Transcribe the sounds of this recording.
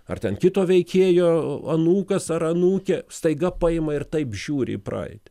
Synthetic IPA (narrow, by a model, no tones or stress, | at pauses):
ɐ̰rt̪ʲɛnkʲɪt̪oːʋʲɛɪkʲeːjoːɐnuːkɐsɐɾɐnuːkʲɛst̪ɐɪɡɐpɐɪmɐɪrt̪ɐɪpʒʲuːɾʲɪ̰ḭpɾɐ̰ɪt̪ʲɛ̥